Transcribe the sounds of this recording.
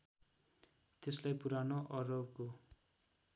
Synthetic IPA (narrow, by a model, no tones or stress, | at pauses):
t̪eslajpuɾanoʔʌrʌwko